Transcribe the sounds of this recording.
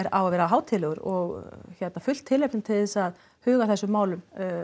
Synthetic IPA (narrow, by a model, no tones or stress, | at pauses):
ɛɾawavɛːɾaɦaːwt̪ʰɪlɛɣʏɾɔɣçɛt̪nafʏl̥t̪ʰːɪlːepnʏmt̪ʰɪlðɛsað | hʏːɣaθɛsːʏmːaːwlʏm